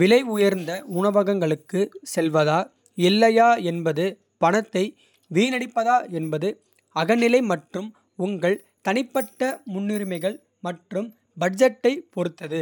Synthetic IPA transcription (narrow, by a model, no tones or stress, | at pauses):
ʋɪlɐɪʊjɐɾnd̪ɐʊɳɐʋɐɣɐŋɡɐɭɯkːɯsɛlʋɐðaː | ɪlːɐjaːɛnbɐðɯ | pɐnɐt̪ːɐɪ | ʋiːnɐɽɪpːɐðaːɛnbɐðɯ | ɐɣɐnɪlɐɪmɐʈrɯm | ʊŋɡɐɭ | t̪ɐnɪpːɐʈːɐmʊnːɪɾɯmɐɪɣɐɭ | mɐʈrɯm | bɐɖd͡ʒɐʈːɐɪpɔɾɯt̪ːɐðɯ